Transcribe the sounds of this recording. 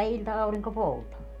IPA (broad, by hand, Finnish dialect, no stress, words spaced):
jɑ ilʲtɑɑuriŋko poutɑː